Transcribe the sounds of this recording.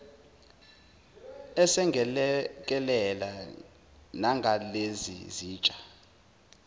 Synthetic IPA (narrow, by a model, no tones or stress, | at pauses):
ɛsɛŋɛk̬ʼɛlɛla | naŋɡʱalezḭziːt͡ʃʼḁ